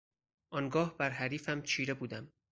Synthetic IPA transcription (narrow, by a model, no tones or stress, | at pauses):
ʔɒːŋɡɒːhbæɾɦæɾiːfæmt͡ʃʰiːɾe̞buːd̪æm